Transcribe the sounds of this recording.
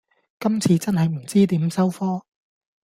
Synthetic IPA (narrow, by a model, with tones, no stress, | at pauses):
kɐ˥mt͡sʰiː˨˧t͡sɐ˥nɦɐ˨jm̩˨˩t͡siː˥t̪iː˨˥msɐ˥wfɔː˥